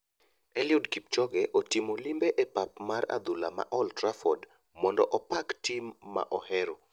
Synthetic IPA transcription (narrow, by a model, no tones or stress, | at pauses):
ɛljʊdkip̚t͡ʃɔɡɛʔotimolimbeʔepapmaɾa̰d̪ulama̰ʔɔltɾafɔd | mɔndɔ̰ʔɔpaktimːa̰ʔɔhɛɾɔ